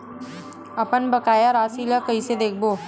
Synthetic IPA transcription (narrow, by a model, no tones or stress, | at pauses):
ɐpənbɐkaːjaɾaːsiləkɐised̪eːk̚ʰboː